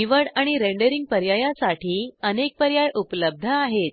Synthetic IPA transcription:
iʋəɽaɽ̃iɾeɳɖəɾiŋɡ̚pəɾjajãsaʈʰiːənek̚pəɾjajʔupləb̚d̪ʱəaɦet̪̚

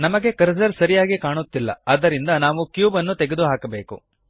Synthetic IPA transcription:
nɐmɐɡe̞kɐɾzɐɾsɐɾijaːɡikaːɳut̪ːilːɐ̰ɐːd̪ɐɾind̪ɐnaːʋukjuːbɐnːut̪eɡed̪uɦaːkɐbeːkṵ

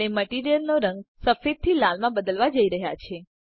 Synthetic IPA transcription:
eməʈiɾijəlnoɾə̃ŋɡsəfet̪̚t̪ʰːilalmãbəd̪əlʋad͡ʒəiɾəɦja̰t͡ʃʰe

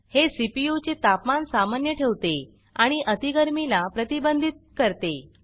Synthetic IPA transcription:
hesipijut͡ɕet̪apmansamanjəʈʰeʋt̪e | aɽ̃iʔət̪iɡəɾmilapɾət̪ibənd̪ʱit̪̚kəɾt̪e

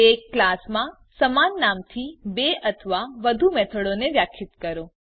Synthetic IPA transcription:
ekːlasmã | səmanːamt̪ʰibeət̪ʰəʋaʋəd̪ʱumɛt̪ʰəɽoneʋjakʰɪt̪kəɾo

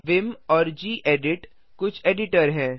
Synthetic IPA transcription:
ʋɪmɔːɾd͡ʒiːʔeːɖɪʈ | kʊt͡ʃʰeːɖɪʈəɾɦɛ̃ː

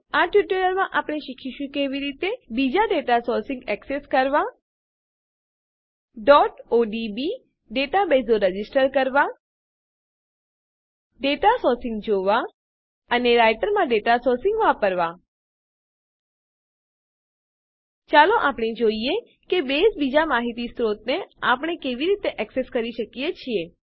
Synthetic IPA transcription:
aʈʋiʈələɾmãʔapɽ̃eʃikʰiʃũkeʋiɾit̪ebid͡ʒaɖeʈasɔɾsɪ̃ŋɡɛkseskəɾʋa | ɖɔʈoɖibi | ɖeʈabezoɾəd͡ʒisʈəɾkəɾʋã | ɖeʈasɔɾsɪ̃ŋɡd͡ʒoʋa | əneɾajʈəɾmãɖeʈasoɾsɪ̃ŋɡʋapəɾʋa | t͡ʃaloʔapɳ̃ed͡ʒoie | kebesbid͡ʒamaɦit̪ist̪ɾot̪neapəɳ̃ekeʋiɾit̪eʔɛkseskəɾiʃəkijet͡ʃʰie

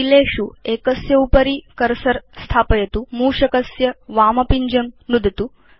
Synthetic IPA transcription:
ileːʃueːkɐsjɐupɐɾikɐɾsɐɾst̪ʰaːpɐjɐt̪umuːʂɐkɐsjɐʋaːmɐpiɲd͡ʒɐmnud̪ʱɐt̪u

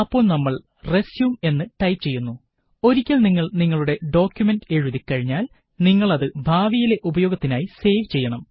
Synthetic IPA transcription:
ɐpːo̞ːɭnɐmːɐɭ | re̞sjume̞nːɨʈɐjpt͡ɕe̞jːunːu | o̞ɾikʲːɐlniŋːɐɭniŋːɐɭuɽe̞ɖo̞ːkʲjume̞nɖe̞ɻuðikːɐɻiɲːaːl | niŋːɐɭɐðɨbʱaːʋijile̞ʔubɐjo̞ːɡɐt̪ːinaːjise̞ːʋt͡ɕe̞jːɐɳɐm

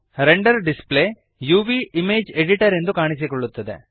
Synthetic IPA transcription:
ɾeɳɖɐɾɖispɭeː | juːʋiimeːd͡ʒeɖiʈɐɾend̪ukaːɳisikɔɭːut̪ːɐd̪e̞̰

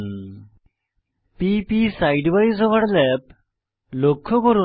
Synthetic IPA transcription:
pipisajɖʋaɾizɔʋəɽlɛp | lokʰːɔkɔɾu

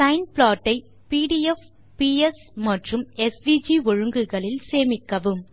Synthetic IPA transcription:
sɐɪnpɭaːʈːɐɪ | piːɽiɛf | piːɛs | mɐʈrɯmɛsʋiːd͡ʒiɔɻɯŋɡɯɣɐɭɪlseːmɪkːɐʋɯm

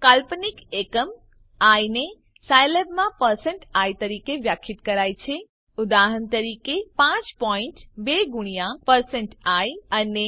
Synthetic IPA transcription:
kalpnikekəm | ajne | sajlebmãpəɾseɳʈajt̪əɾikebjəkʰːit̪kəɾajt͡ʃʰe | ud̪aɦənt̪əɾikepãt͡ʃpɔiɳʈbeɡuɽ̃ijapəɾseɳʈajəne

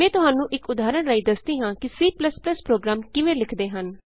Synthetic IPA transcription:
mɛ̃ːt̪ʊɦaːnũːʔɪkʊd̪aːɾəɳɾaːiːd̪əsd̪iːɦãːkɪsiːpləspləspɾoːɡɾaːmkɪʋẽːlɪkʰd̪eːɦən

